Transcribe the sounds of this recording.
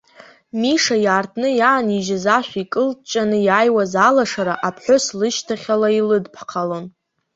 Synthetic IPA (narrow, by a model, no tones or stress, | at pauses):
miʂajaːrtʰnɨjaːniʒazaʃʷᶣikʼɨlt͡ʃʼanɨjaːjwazalaʂaɾaʔapʰħʷoslɨʃtʰaχʲalailɨdpʰqʰalo̞n